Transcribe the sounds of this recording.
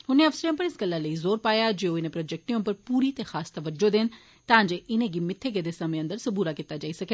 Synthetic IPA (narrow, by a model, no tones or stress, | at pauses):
hʊnːẽːəfsəɾãːpəɾɪsɡəlːãːləiːzoːɾpaːjaːd͡ʒeːoːɪnẽpɾɔːd͡ʒɛk̚ʈnẽõmpəɾpuːɾiːt̪eːxaːst̪əʋəd͡ʒoːd̪eːn | t̪ãːd͡ʒeːʔɪnẽːɡiːmɪt̪ʰːeːɡeːd̪eːsəmẽːə̃nd̪əɾsəbuːɾaːkiːt̪aːd͡ʒaːiːsəkeː